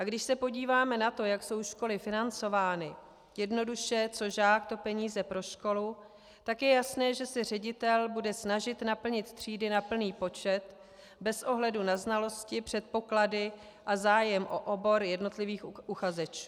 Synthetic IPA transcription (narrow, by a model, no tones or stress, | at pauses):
ʔaɡdɪʃsɛpo̞ɟiːvaːmɛnat̪o̞jakso̞wʃko̞lɪfɪnant͡so̞vaːnɪ | jɛdno̞duʃɛt͡so̞ʒaːk̚t̪o̞pɛɲiːzɛpɾo̞ʃko̞luː | akjɛjasnɛːʒɛsɛr̝ɛɟɪt̪ɛlbudɛsnaʒɪt̪napl̩ɲɪt̪t̪r̝̥iːdɪnapl̩niːpo̞t͡ʃɛt̪ | bɛsʔo̞ɦlɛdunaznalo̞scɪpr̝̥ɛt̪̚po̞kladɪ | ʔazaːjɛmʔoʔobo̞ɾjɛdno̞t̪lɪviːxʔuxazɛt͡ʃu̥ː